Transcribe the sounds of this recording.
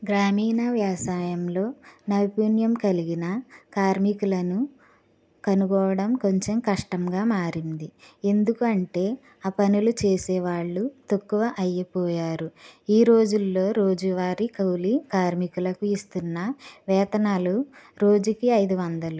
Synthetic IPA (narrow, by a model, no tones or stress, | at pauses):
ɡɾaːmiːnɐʋjaːsaːjɐmlo̞ːnɐʋipuːnjɐmkɐliɡinɐkaːɾmikulɐnu | kɐnuɡɔːʋɐɽɐmko̞ɲt͡ʃemkɐʂʈɐmɡaːmaːɾind̪ie̞nd̪ukuɐɳʈe̞ː | aːpɐnulut͡ʃeːsɛːʋaːɭːut̪ukːuʋɐʔɐjːɐpɔːjaːɾuiːɾo̞ːd͡ʒulːo̞ːɾo̞ːd͡ʒuʋaːɾikɐwlikaːɾmikulɐkuist̪unːɐʋɛːt̪ɐnaːluɾo̞ːd͡ʒukiɐjd̪uʋɐnd̪ɐlu